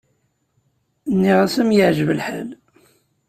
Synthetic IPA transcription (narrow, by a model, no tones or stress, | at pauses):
nːiʁasəmjəʕʒəvəlħæl